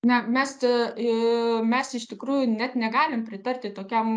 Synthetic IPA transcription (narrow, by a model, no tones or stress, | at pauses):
nʲɛmʲɛs | mʲɛsɪʃt̪ʲɪkɾuːjʊnʲɛt̪nʲɛɡɑːlʲɪmpʲɾʲɪt̪ɐrʲt̪ʲɪt̪oːkʲɛm